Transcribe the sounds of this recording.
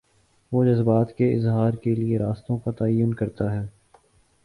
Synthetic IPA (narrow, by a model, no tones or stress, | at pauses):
ʋoːd͡ʒɐzbaːt̪keɪzɦaːɾkelieɾaːst̪õkat̪ɐəjːʊnkɐɾt̪aɦɛː